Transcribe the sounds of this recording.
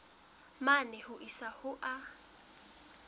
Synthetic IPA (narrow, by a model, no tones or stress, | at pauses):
manɛhʊʔisahʊʔa